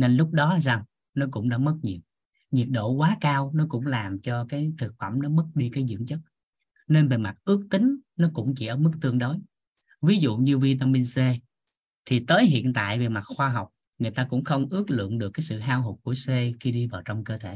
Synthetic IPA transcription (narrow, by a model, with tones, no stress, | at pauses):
ne˧nlʊ˦˥k͡p̚ɗɔ˨˦˨za˨˩ŋ | nɔ˨˦kʊ̰˧˥ŋ͡mɗa̰ː˧˥mə˦˥t̚ɲi˨˩əw̚ | ɲi˨˩ət̚ɗo̰˧˨kwaː˨˦kaː˧wnɔ˨˦kʊ̰˧˥ŋ͡mlaː˨˩mt͡ɕɔ˧kaː˨˦jt̪ʰɨ˨˩k̚fə˧˩mnɔ˨˦mə˦˥t̚ɗi˧kaː˨˦jzɨ̰˧˥əŋt͡ɕə˦˥t̚ | ne˧nve˨˩ma˨˩t̚ʔɨ˦˥ək̚t̪ï˨˦ŋ̟nɔ˨˦kʊ̰˧˥ŋ͡mt͡ɕi˧˩ʔəː˧˩mɨ˦˥k̚t̪ɨ˧əŋɗo˨˦j | vi˨˦zṵ˧˨ɲɨ˧vi˧t̪̬a˧mi˧nse˧ | t̪ʰi˨˩t̪əː˨˦jɦḭ˧˨ənt̪a̰ː˧˨jve˨˩ma˨˩t̚xwaː˧ɦa˨˩wk͡p̚ | ŋɨ˨˩əjt̪aː˧kʊ̰˧˥ŋ͡mxə˧wŋ͡mʔɨ˦˥ək̚lɨ̰˧˨əŋɗɨ˨˩əkːaː˨˦jsɨ̰˧˨ɦaː˧wɦo˨˩ku˧˩əse˧xi˧ɗi˧vaː˨˩wt͡ɕɔ˧wŋ͡mkəː˧t̪ʰe˧˩˦